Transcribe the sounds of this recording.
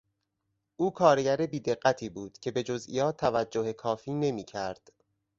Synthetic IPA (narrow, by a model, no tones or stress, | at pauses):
ʔuːkʰɒːɾeɟæɾebiːd̪e̞ɢːæt̪ʰiːbuːd̪̥cʰe̞be̞d͡ʒo̞zḭjɒːt̪ʰːævæd͡ʒːohekʰɒːfiːne̞miːcʰæɾd̪̥